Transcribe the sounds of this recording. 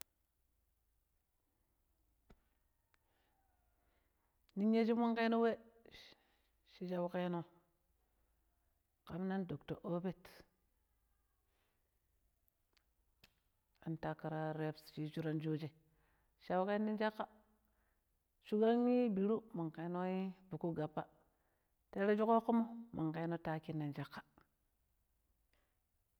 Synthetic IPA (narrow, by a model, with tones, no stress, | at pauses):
ni˦ɲe˦d͡ʒi˦ma˦ŋke˦no˦we˦ | ʃi˦d͡ʒa˦wke˦no˦ | ka˨mna˦ndo˨kto̰˨ʔo˦be˦t | a˨nta˨ka˨ɾa˦ɾe˦pst͡ʃi˦t͡ʃu˦ɾa˦nd͡ʒo˦d͡ʒe˨ | ʃa˦wke˦na˦nd͡ʒa˦kːa˦ | t͡ʃu˦ɡa˦nmi˦bi˨ɾu˦ma˨ŋke˨˦no˦i˦bu˨ku˦ɡa˨pːa˦ | te˦ɾa˦d͡ʒu˦ko˦ku˦mo˦mʔa˨ŋke˦no˦ta˦ki˦nːa˨nd͡ʒa˦kːḁ˨